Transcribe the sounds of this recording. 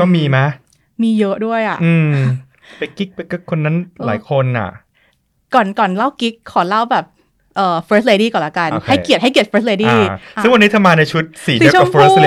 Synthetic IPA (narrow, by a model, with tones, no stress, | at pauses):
kɔː˥˩miː˧ma˦˥ | miː˧jɤ˦˥ʔdu˥˩əjʔa̰˨˩ʔɯː˧ | pa˧jki˦˥k̚pa˧jkɯ˦˥kʰo˧nːa˦˥nla̰ː˩˦jkʰo˧nʔa̰˨˩ʔ | kɔː˨˩nkɔː˨˩nla˥˩wki˦˥kʰːɔː˩˦la˥˩wbɛː˨˩p̚ | ʔɤː˨˩fəː˦˥s̬̚leː˧diː˥˩kɔː˨˩nla˦˥ka˧n˧khʰa˥˩jki˨˩ət̪̚ha˥˩jki˨˩ət̪̚fɤː˧˦˥st̪̬̚leː˧diː˥˩sɯ˥˩ŋwa˧nːiː˦˥t̪ʰa˧maː˧na˧jt͡ɕʰu˦˥t̪̚siː˨˩di˨˦˥fːle˧